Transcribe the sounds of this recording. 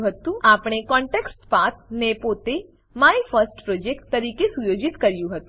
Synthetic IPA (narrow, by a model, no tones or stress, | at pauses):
ɦət̪ũaːpɽ̃ekɔ̃ɳʈeksʈpat̪̚nepot̪e | maːifʰəɾsʈpɾoːd͡ʒekʈt̪ːɐɾiːkesujoːd͡ʒɪt̪kəɾjũɦət̪ũ